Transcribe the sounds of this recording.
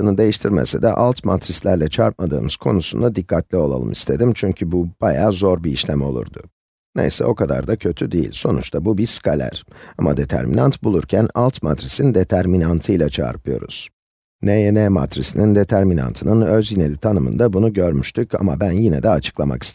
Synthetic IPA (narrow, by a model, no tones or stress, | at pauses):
ɯnɯd̪e̞jiʃt̪ʰiɾmḛsɛ̰d̪ɛ̰ʔalˠt̪mat̪ɾislʲæɾlʲɛt͡ʃʰaɾp̚mad̪ɯ̰ːmɯz̥kʰo̞̰nusund̪ad̪ikʰːat̪lʲio̞lˠa̰lˠɯ̰mist̪ʰe̞d̪imt͡ʃʰyɲcʰybub̥ajaːzo̞ɾbiiʃlʲemo̞lˠṵɾd̪ʊ | ne̞̰jsɛ̰o̞kʰad̪a̰ɾd̪acʰø̞t̪ʰyd̪ijḭlʲso̞nṵt͡ʃt̪ʰabubiskʰalʲæ̰ɾ̥amad̪e̞t̪ʰæ̰ɾmʔḭnant̪bulˠuɾcʰænalˠt̪mat̪ɾisind̪et̪ʰæɾminant̪ʰɯjlˠat͡ʃʰa̰ːɾpʰɯjo̞̰ɾṵz̥ | nɛjenɛma̰t̪ɾisinind̪e̞t̪ʰæɾmina̰nt̪ʰɯnɯnøzjinelʲit̪ʰanɯmɯ̰nd̪abunuɟøɾmyʃt̪ʰyca̰mabænjinɛ̰d̪ɛat͡ʃʰɯ̥klˠama̰ki̥st̪e